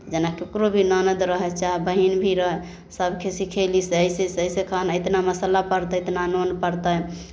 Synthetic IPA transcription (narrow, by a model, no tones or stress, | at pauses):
t̪d͡ʒenakeukɾobʱinɔnəd̪ɾəɦɛt͡ʃaɦɛbəɦinbʱiɾəɦɛ | səbkʰesikʰelisəjsesəisekʰənet̪naməsəlapəɾt̪əet̪nanonpəɾt̪ə